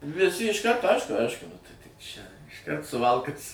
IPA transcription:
ʋʲɪˈsʲɪ ɪʃˈkɐrtoː ˈɐɪʃkʊ ˈɐɪʃkʊ nʊ ˈtɐɪ tʲɪk ˈt͡ʃʲɛ ɪʃˈkɐrt sʊˈʋɐlˠkɐs

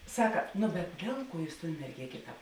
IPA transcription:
ˈsɑːkɐ nʊ bʲɛt ˈdʲeːlˠ ˌkuɔ ˈjuːs toːn mʲɛrʲˈɡʲeːkʲeː ˈtɑːp

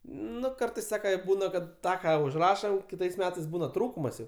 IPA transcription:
ˈnʊ ˈkɐrtɐɪs ˈsɑːkɐ ˈbuːnɐ kɐt ˈtɑː ˈkɑː ʊʒˈrɑːʃɐm ˈkʲɪtɐɪs ˈmʲæːtɐɪs ˈbuːnɐ ˈtruːkʊmɐs jɛʊ

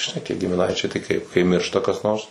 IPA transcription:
ʒʲɪˈnɐɪ ɡʲɪmʲɪˈnɐɪt͡ʃʲɛɪ tɐɪ kɐɪp kɐɪ ˈmʲɪrʃtɐ kɐs ˈnoːrs

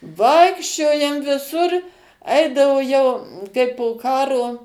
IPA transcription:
ˈʋɐɪkʃʲt͡ʃʲoːjɛm ʋʲɪˈsʊr ˈɐɪdɐʋoː jɛʊ kɐɪ poː ˈkɑːroː

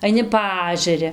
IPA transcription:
ɐɪˈnʲɪ ˈpɐɐʒʲɛrʲɪ

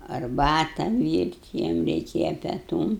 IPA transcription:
ɐrˈbɑːtɐ ˈʋʲiːrʲtʲ ˈjiɛm rʲɛɪˈkʲeːjɛ pʲɛˈtuːm

